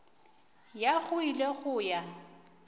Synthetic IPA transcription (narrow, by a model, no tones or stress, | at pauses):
jaɣʊileɣʊːja